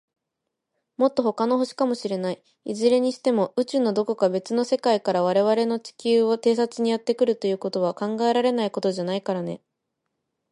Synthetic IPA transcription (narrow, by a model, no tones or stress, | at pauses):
mo̞t̪ːo̞ɦo̞kano̞ɦo̞ɕi̥kamo̞ɕiɾe̞nai | izɨɾe̞ɲ̟iɕi̥t̪e̞mo̞ʔɯ̟t͡ɕɨnːo̞d̪o̞ko̞kabe̞t͡sɨno̞se̞kaikaɾaβ̞aɾe̞β̞aɾe̞no̞t͡ɕi̥kʲɨːot̪e̞ːs̬at͡sɨɲ̟ijat̪ːe̞kɯ̟ɾɯ̟t̪o̞jɯ̟ːko̞t̪o̞β̞akãŋɡae̞ɾaɾe̞naiko̞t̪o̞ʑanaikaɾane̞̰